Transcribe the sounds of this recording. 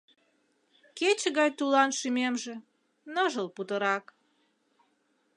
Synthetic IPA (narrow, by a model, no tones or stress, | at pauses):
ket͡ɕəɣɑjt̪ulɑnʃymemʒĕ | nəʒəlput̪əɾɑk